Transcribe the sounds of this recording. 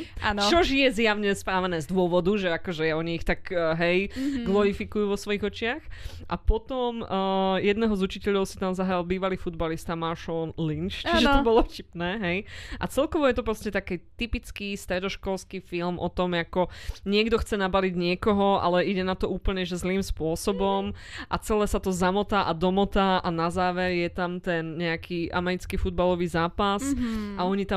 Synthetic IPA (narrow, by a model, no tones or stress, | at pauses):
ant͡ʃɔʒjɛzjaʊɲɛspɾaːʋɛnɛːzd̪ʊɔʋɔd̪uʒɛakɔʒɛjaɔɲiːxt̪aɡɦɛjɡlɔɾifikujuʋɔsʋɔjiɣɔt͡ʃɪax | ʔapɔt̪ɔmːjɛd̪nɛɦɔzut͡ʃicɛʎɔʊsi̥t̪amzaɦɾalbiːʋaliːfud̪balist̪amaɾʃɔlnlint͡ʃt͡ʃiʒɛt̪ɔbɔlɔfcipnɛːɦɛjʔat͡sɛlkɔʋɔjɛt̪ɔpɾɔscɛt̪akiːt̪ipit͡skist̪ɾɛd̪ɔʃkɔlˠskiːfilmʔɔt̪ɔmjakɔɲɪɛɡd̪ɔxt͡sɛnabaliɟɲɪɛkɔɦɔʔa̰lɛʔiɟɛnat̪ɔuːpl̩ɲɛʒɛzliːmspʊɔsɔbɔm | ʔat͡sɛlɛːsat̪ɔzamɔt̪aːʔad̪ɔmɔt̪aːʔanazaːʋɛɾjɛt̪amt̪ɛnɲɛakʰiʔa̰mɛɾit͡skifud̪̚balɔʋiːzaːpasaɔɲit̪a